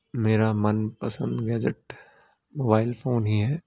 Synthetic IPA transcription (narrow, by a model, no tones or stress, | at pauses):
meːɾamɐnpɐsə̰̃nd̪ɡɛːd͡ʒəʈ | moːbaːɪlfoːnɦiɦɛː